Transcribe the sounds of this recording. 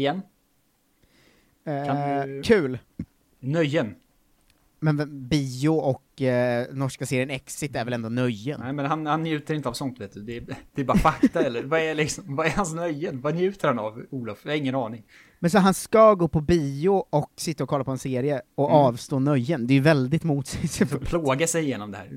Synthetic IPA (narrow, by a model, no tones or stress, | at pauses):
ɪjɛnː | kʰakʰʉ̟ːl | nœjːən | mɛnvɛbiːʊɔknɔʂkaseːɾɪjənɛksɪt̪ːæɾvɛlɛnd̪ɔːnœjːənɛmɛnɦanhanːjʉ̟ːt̪əɾɪnt̪əavsɔnt̪veːt̪d̪ɵd̪ɛd̪̥ɛbɑːɾfat̪ːaɛlːəɾvaɛlɪksɔmvaɛɾhansnœjːənvanjʉ̟ːt̪ʰəɾhanavuːlɔfjɑhaɾɪŋːənɑːnɪŋ | mɛnsɔɦanskaɡoːpʰɔbiːʊɔksɪt̪ːaɔkʰɔlːapɔɛnseːɾɪjəɔɑːvst̪oːnœjːənd̪ɛjɵvɛld̪ɪt̪muːt̪sɛspʰloːɡasɛjɪjeːnɔmd̪ɛhæ̰ːɾ